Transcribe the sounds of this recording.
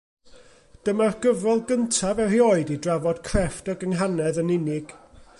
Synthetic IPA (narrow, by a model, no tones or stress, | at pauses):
d̥əmarɡ̥əvɔlˠɡəntʰavɛrioːɨdidravɔd̥kʰrɛftəɡəŋɦanɛðənɪnɪɡ̥